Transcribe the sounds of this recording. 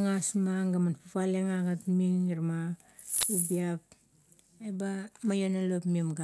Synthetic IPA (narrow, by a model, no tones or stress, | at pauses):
ŋasmaŋɡamanpupaleŋaɡatmiŋiɾma | ubiap̚ | ebamajonalopmimɡa